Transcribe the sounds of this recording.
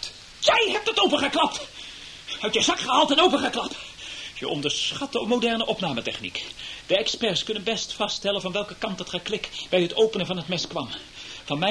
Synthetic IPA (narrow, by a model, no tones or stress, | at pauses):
jɛjɦɛp̚tətowpəχəklɑp̚t | hœɥtjəzɑkχəɦaːlˠtɛnowpəχəklɑptjəʔɔ̰ndəɹsχɑtdəɔpmowdɛɹnəʔɔpnaːmətɛχnḭkd̥əɛkspɛɹskɵnənbɛstfɑstɛlənvɑnʋɛlˠkəkɑntɑtχəklɪkbɛjɦətowpənəvɑnɦətmɛskʋɑmvɑnmɛ